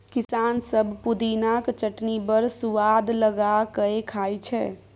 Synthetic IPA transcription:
kɪsaːnsəbʱpud̪inakt͡ʃəʈnibəɾsuʋad̪ləɡakəekʰaːjt͡ʃʰɛ

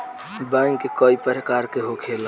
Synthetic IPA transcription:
bɛ̃ŋkekoːipəɾekaːɾkeɦokʰeːl

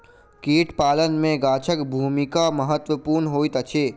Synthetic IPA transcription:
kiːʈʰpaːlənmẽɡaːt͡ʃʰəkbʱuːmɪkaməɦət̪wəpuːɾnɦoːit̪ɐt͡ʃʰeː

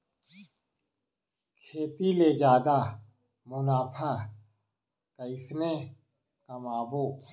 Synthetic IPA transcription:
kʰeːt̪iled͡ʒaːd̪a | mʊnaːpʰa | kɐɪsne | kɐmaːboː

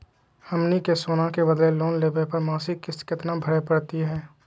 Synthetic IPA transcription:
ɐmnikesoːnãkebəd̪leloːnleːbepəɾmaːsikːɪskɪt̪nabʱəɽepəɽt̪iɦɛː

